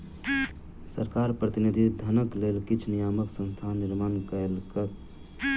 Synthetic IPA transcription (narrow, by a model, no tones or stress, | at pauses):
səɾkaɾpɾət̪inid̪ʱid̪ʱənəklelkit͡ʃʰnijaməksə̃nst̪ʰaniɾmankəelkəɾ